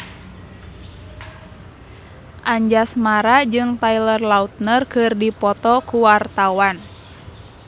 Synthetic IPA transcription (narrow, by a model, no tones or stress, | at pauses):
ʔaɲd͡ʒasmaɾad͡ʒɨŋt̪ailərlaut̪̚nərkɨrdipɔt̪ɔkuwart̪awan